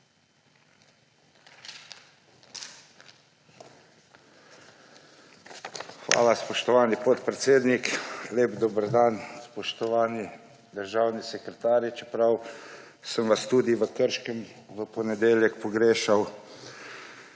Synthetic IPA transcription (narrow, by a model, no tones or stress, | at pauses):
xʋa̰ːlaspɔʃt̪ɔʋaːnipɔt̪pɾɛt̪seːd̪nikleːbd̪oːbəɾd̪anspɔʃt̪ɔʋaːni | d̪əɾʒaːwnisɛkɾɛt̪aːɾjit͡ʃɛpɾaw | səmʋast̪uːd̪iʋəkəɾʃkəmʋəpɔnɛd̪eːljɛkpɔɡɾeːʃaw